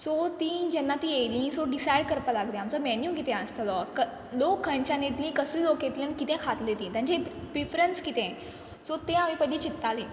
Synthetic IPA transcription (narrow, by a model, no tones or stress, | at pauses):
sot̪ĩːd͡ʑɛnːat̪ĩejlĩːsoɖisajɽkəɾpalaɡlẽamt͡sɔmɛnjukit̪ɛ̃ə̃st̪ʰəlɔkə | lokʰːəɲt͡ɕanet̪lĩkəsliːloket̪ljə̃nkit̪ɛ̃kʰat̪let̪ĩːt̪jãɲt͡ɕebifɾənskit̪ɛ̃ | sot̪ẽamipəɽĩt͡ɕit̪ːalĩː